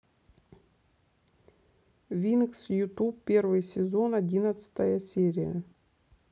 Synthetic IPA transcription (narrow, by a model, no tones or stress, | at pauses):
vʲinɨksjut̪upːʲervɨjsʲɪzonadʲinət̪sɨ̥t̪əjəsʲeɾʲɪjə̰